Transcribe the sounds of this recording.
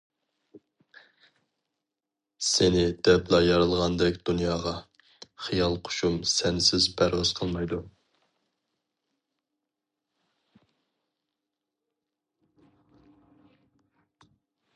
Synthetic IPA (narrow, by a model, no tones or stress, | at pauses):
sɪnɪd̪ɛplˠɑjɑɾɨlˠʁɑnd̪ɛkʲd̪unjɑːʁɑ | χijɑlˠqʰo̥ʃumsɛnsɪzbæɾuz̥qʰəlˠmɑjd̪u